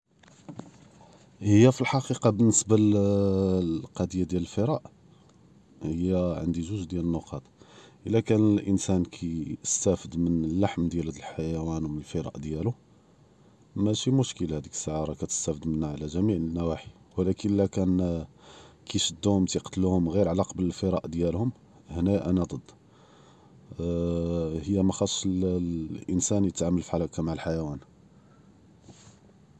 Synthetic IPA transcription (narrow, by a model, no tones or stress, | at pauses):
həjːæfilħɑqiqɑbənːəsbal | lqɑd̪əjad̪jæləlfəɾˤɑʔ | həjːæʕə̰nd̪iʒuʒd̪jælənːʊqɑt̪ˤʔəlːækænəlʔənsænkʰist̪æfəd̪mənəlːaħmd̪jæld̪əlħajæwænwmənəlfəɾˤɑ̰ʔd̪jælu | mæʃimʊʃkəlhæd̪ikə̥sːəʕɑɾˤɑkæt̪ə̥st̪æfəd̪mənːaʕlæʒæmiʕənːæwaħi̥ | wəlækəlːækæn | kiʃəd̪ːuhʊmt̪iqt̪luhʊmɣiɾʕalɑqɑbələlfəɾˤɑ̰ʔd̪jælhʊm | hnæʔænæd̪ˤəd̪ː | həjːæmæxɑt̪ʃlʔənsænjət̪ʕaməlfiʕalækæmaʕəlħajæwæn